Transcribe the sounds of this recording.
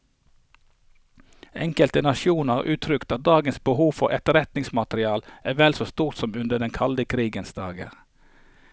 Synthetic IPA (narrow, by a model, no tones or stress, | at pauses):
ɛ̰ŋkəlt̪ənɑʃuːnəəʁʔʉːt̪ʰɾʏkt̪ɑt̪̚d̪ɑːɡənsbəhuːʋfɔʁɛ̰t̪əʁɛt̪nɪŋsmɑt̪ɾɪɑːlʔæːʋɛlsoːst̪uːʁt̪sɔmʉnd̪əd̪ɛnkʰɑld̪əkʰɾiːɡənsd̪ɑːɡə̰ʁ